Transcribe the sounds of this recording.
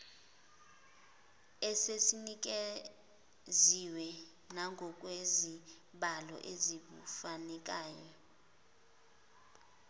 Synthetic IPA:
ɛsesinik̬e | ziwɛ | naŋɡʱɔk̬ʼwezi | ɓalɔ̰ʔezik̬ṵfanɛk̬aːjɔ

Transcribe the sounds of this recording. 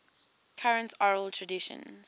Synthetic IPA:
kʰaɹə̃ntɔɹəltʰɹədɪʃə̰̃nz

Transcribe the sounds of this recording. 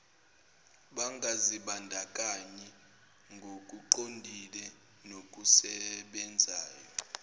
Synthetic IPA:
ɓaŋɡʱaziɓandʱakʼaɲɛ | ŋɡʱokʼuǃondʱilɛ | nokʼusɛɓɛnd͡zʱaːjɔ

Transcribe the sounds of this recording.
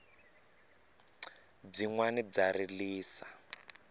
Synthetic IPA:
b͡ʐiŋwanib͡ʐaɾiliːsa

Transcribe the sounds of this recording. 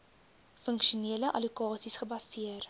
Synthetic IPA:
fəŋkʃiuniələʔɐlikɑːsisχəbɐsiər

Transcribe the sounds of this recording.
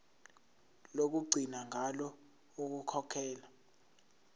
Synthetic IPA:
lok̬uɡ͡ǀʱinaŋʱalɔ | uk̬ukʰɔkʰɛːla

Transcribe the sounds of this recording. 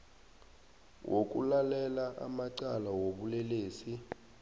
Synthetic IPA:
wʔok̬ʼṵlalɛlaʔa̰maǀalawoɓulɛleːsi

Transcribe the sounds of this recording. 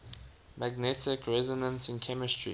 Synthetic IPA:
mæɡnɛtɪkʰɹɛzɔnə̃nsɪ̃nkʰɛmɪstɹḭ

